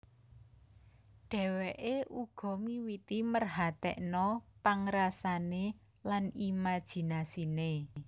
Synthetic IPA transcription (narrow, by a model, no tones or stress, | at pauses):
ɖ̥ɛ̤weʔeʔuɡ̥ɔ̤miwit̪imərɦat̪ɛ̰ʔnɔpaŋɾasane | lanimad̥ʒ̥i̤nasine